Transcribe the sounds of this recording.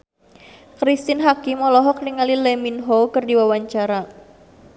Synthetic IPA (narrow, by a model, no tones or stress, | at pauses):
kɾist̪ɪnɦakimɔlɔɦɔkliŋalileminɦokərdiwawaɲt͡ʃaɾa